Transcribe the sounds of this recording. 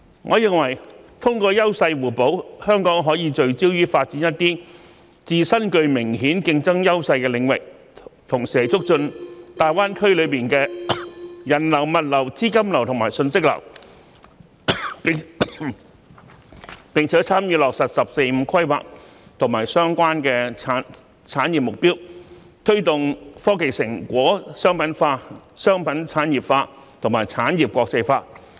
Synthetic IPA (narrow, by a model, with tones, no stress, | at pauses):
ŋʔɔː˨˧jɪ˨ŋwɐ˨˩jt̪ʰʊ˥ŋkɔː˧jɐ˥wsɐ˧jwuː˨˩po˨˥whœː˥ŋkɔː˨˥ŋɦɔː˨˥jiː˨˧t͡ʃɵ˧ɥt͡siː˥wjyː˥faː˧t̚t͡siː˨˥njɐ˥t̚t̪iː˥ | t͡siː˧sɐ˥nkɵ˧ɥmɪ˨˩ŋɦiː˨˥nkɪ˧ŋt͡sɐ˥ŋjɐ˥wsɐ˧jkɛː˧lɪ˨˧˥ŋwɪ̰˨k̚ | t̪ʰʊ˨˩ŋsːjt͡sʊ˥k̚t͡ʃɵ˧nt̪aː˨jwaː˥nkʰɵ˥ɥlɵ˨˧ɥpiː˨nkɛː˧ | jɐ˨˩nlɐ˨˩wmɐ˨t̚lɐ˨˩wt͡siː˥kɐ˥mlɐ˨˩wt̪ʰʊ˨˩ŋmaː˨˩jsɵ˧nsɪ˥k̚lɐ̰˨˩w | pɪ˨˧ŋt͡sʰɛː˨˥t͡sʰaː˥mjyː˨˧lɔː˨k̚sɐ˨t̚sɐ˨p̚se˧jm̩˨˧kʰɐ˥jwa̰ː˨k̚t̪ʰʊ˨˩ŋmaː˨˩jsœː˥ŋkʷaː˥nkɛː˧t͡sʰaː˨˥ | t͡sʰaː˨˥njiː˨p̚mʊ˨k̚piː˥w | t̪ʰɵ˥ɥt̪ʊ˨ŋfɔː˥ke˨jsɪ˨˩ŋkʷɔː˨˥sœː˥ŋpɐ˨˥nfaː˧sœː˥ŋpɐ˨˥nt͡sʰaː˨˥njiː˨˩p̚faː˧ | t̪ʰʊ˨˩ŋmaː˨˩jt͡sʰaː˨˥njiː˨p̚kɔː˧k̚t͡sɐ˧jfaː˧